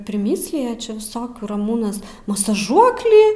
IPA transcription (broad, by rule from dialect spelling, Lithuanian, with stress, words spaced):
pʲrʲɪˈmʲiːsʲlʲɪjɛ t͡ʃʲɛ ʋʲɪˈsoːkʲuː rɐˈmuːnɐs mɐsɐˈʒuɔklʲiː